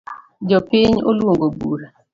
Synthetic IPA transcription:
d͡ʒɔpɪɲo̰lwoŋɡobuɾa

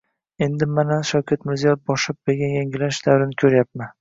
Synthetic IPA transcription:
e̞nd̪ɪmanaʃawkʲʰat̪mɪɾzijɒbɒʃɪp̚beɡʲajaŋɪlaʃd̪̥awɾɪnɪkʲʰɵɾjap̚man

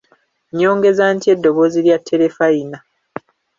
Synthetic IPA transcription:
ɲːo̞ːŋɡe̞zaːntie̞dːo̞βo̞ːziɾjatʰːe̞ɾe̞faina

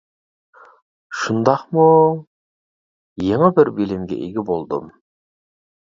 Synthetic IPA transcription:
ʃʊnd̪ɑqmu | jeɴəbɪɾbelɪmɡʲḛʔḛɡʲɪbolˠd̪ə̰m

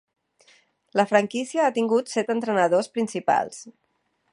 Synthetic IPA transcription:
ləfɾəŋkisiəat̪iŋɡut̪sɛt̪ənt̪ɾənəðospɾinsipa̰lˠs

